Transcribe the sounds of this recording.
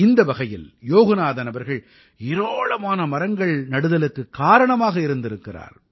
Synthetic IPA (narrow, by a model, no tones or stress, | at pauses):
ɪnd̪ɐbɐɣɐjɪ̰ljoːɣɐnaːðɐnɐbɐɾɣɐɭ | ɪɾoːɭɐmaːnɐmɐɾɐŋɡɐɭnɐɽɯðɐlɯkːɯkːaːɾɐɳɐmaːɣɐɪɾɯnd̪ɪɾɯkːɪra̰ːɾ